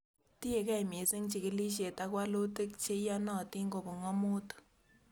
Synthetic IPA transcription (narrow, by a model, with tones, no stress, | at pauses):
ti˦e˨ka˦i˨m˨e˨se˦ŋt͡ʃi˨ke˦li˦ʃ̬e˨ta˦kwa˦lo˦te˦kt͡ʃe˦ja˦nɔ˨ti˦ŋɡo˨bo˨ŋa˦mo˦tɔ̥˨